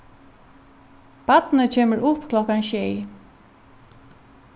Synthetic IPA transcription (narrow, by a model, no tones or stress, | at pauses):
pat̪nət͡ɕʰeːməɹʔʊpːkʰlɔhkanʃɛj